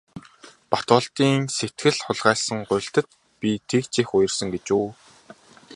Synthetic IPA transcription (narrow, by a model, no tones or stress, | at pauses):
pat̪ʊːɬt̪iːŋset̪ɡɘ̆ɮχʊɮʁæːɮsə̆ŋɢʊj̆ɬt̪ə̆t̪̚ | pʲit̪ʰekt͡ɕexʊjɞ̆rsə̆ŋɡet͡ɕuː